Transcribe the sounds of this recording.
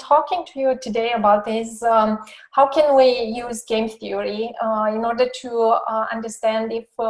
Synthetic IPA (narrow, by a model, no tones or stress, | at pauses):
tʰɔkɪ̃ŋtʰujutudeɪəbaʊt̚ðɪs | haʊkʰɛ̃nwijuːzɡẽmθiəɹiɪ̃nɔɹdətʰuã̰ndəstæ̃ndɪf